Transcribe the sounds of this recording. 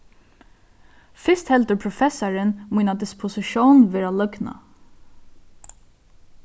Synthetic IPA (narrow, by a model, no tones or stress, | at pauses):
fɪst̪hɛlt̪əɾpʰɾʊfɛsɑɹənmiːnad̪ɪspʰʊsɪʃuːnʋeːɾalœɡna̰